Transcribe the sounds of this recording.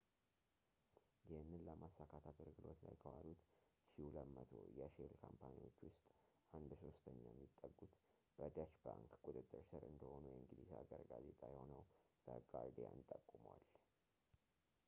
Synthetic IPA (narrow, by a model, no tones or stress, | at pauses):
jɛhɨnːɨnləmasːakʰat̪ʰat̪ɨɾɡɨlo̞t̪lajkʰəwalut̪ | ʃiləmːət̪ʰo̰jɛʃelkʰampʰaniwo̞t͡ʃːwʊst̪ʼ | ʔand̪so̞st̪ʰəɲːajɛmːit̪ʼːəɡːut̪ | b̥əd̪at͡ʃbaŋkkʼut̪ʼɨt̪ʼːɨɾsɨɾɨnd̪əho̞nujɛŋɡɨlisaɡəɾɡaze̞t̪ʼajɛho̞nəwb̥əɡaɾd̪ija̰ɨnt̪ʼəkʼːuməwal